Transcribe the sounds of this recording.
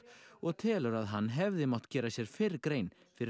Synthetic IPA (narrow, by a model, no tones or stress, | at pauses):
ɔɣt̪ʰɛːlœɾaðɦanːɦɛvðɪmaw̥t̪cɛːɾasjɛɾ̥fɪɾkɾeːjn | fɪɾɪ